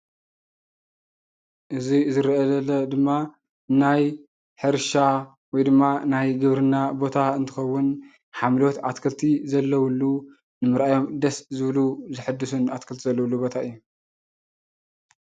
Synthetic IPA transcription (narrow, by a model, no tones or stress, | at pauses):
ʔɨzizɨɾɐlɐlɐd̪ɨmːa | naj | ħɨɾʃa | wɔjd̪ɨmːanajɡɨβɾɨnːabo̞t̪ʰaɨnt̪ʰɨxɐwːʊn | ħamlot̪at̪kʰɐlt̪ʰizɐlːɐwulːu | nɨmɨɾʔajo̞md̪ɐszɨβluzɨħɨd̪ːɨsunat̪kʰɐlt̪ʰizɐlːɐwulːubo̞t̪ʰaɨjːu